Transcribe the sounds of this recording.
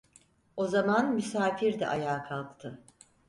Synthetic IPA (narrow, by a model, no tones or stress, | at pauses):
o̞zamanmysaːfiɾd̪ɛ̰ʔajaːkʰalˠt̪ʰːɯ